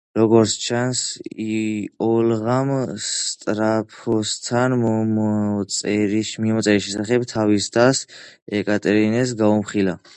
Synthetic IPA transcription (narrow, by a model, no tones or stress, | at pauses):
ɾɔɡɔɾt̪sʰt͡ʃʰansiɔlʁamst̪ʼɾapʰɔst̪ʰanmmɔsʼɛɾiʃmimɔsʼɛɾisʃɛsaχɛbt̪ʰavist̪ʰasɛkʼat̪ʼɛɾinɛs̬ɡaumχila